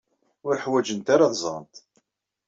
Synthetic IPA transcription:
ʊɾħwæd͡ʒənt̪aɾaðzˤɑ̰nt̪

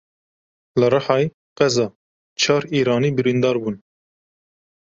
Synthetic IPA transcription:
lɨɾɑħɑːj | qɛzɑː | t͡ʃʰɑːɾiːɾɑːniːbɨɾind̪ɑːɾbuːn

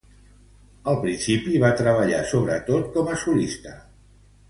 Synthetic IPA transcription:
əlˠpɾinsipiβat̪ɾəβ̞əʎa̰soβɾət̪ot̪̚kɔməsulist̪ə

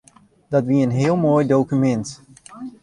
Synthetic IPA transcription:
dɑtʋiəənɦɪəlˠmoːjdowkymɛnt

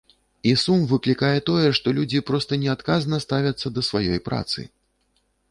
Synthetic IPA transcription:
isumvɨklʲikajɛt̪ɔjɛʂt̪ɔlʲud͡zʲipɾɔst̪ɐnʲɛat̪kaznɐst̪avʲɐt̪sːɐd̪ɐsvajɔjpɾa̰t̪sɨ̰

